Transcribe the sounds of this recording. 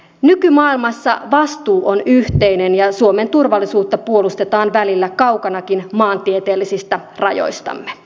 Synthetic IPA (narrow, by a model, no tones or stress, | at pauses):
nykymɑːilmɑsːɑ̰ʋɑst̪uːʔonyht̪einenjɑsuo̞me̞nt̪urʋɑlːisuːt̪ːɑpuo̞lust̪et̪ɑːnʋælilːækɑukɑnɑkinmɑːnt̪iet̪eːlːisist̪æ | rɑ̰jo̞̰jst̪ɑ̰mːe